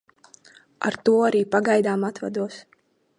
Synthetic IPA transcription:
a̰ɾt̪uɔaɾiːpaɡajd̪aːmat̪va̰d̪uɔs

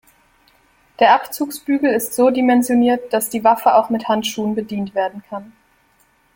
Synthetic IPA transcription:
d̥eːɐʔapt͡suːksb̥yːɡl̩ɪstz̥oːdimɛnzjoniːɐt̚d̥asd̥iːvafəa̰ʊxmɪthantʃuːənbədiːntv̥eːɐdn̩kʰan

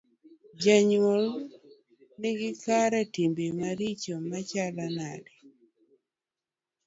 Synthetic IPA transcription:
d͡ʒaɲwol | nɪɡɪkaɾɛtimbemaɾit͡ʃomat͡ʃalanadi

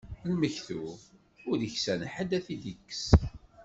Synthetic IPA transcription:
lməçθu | ʊɾðəçsænħəd̪æθid̪ikːə̥s

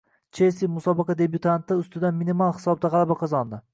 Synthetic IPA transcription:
t͡ʃʰesimʊsɒbɑqʰɑd̪ebjʊt̪ʰant̪ɪʊst̪ɪd̪anminimɒlˠhɪ̥sɒb̚d̪aʁɑlˠabaqʰɒzɒnd̪ɪ

